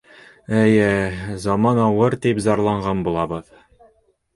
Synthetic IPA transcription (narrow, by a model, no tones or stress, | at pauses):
æjɘzɒmɑnɑwɤɾt̪ipzɑɾlˠɑɴʁɑnbulˠɑbɤð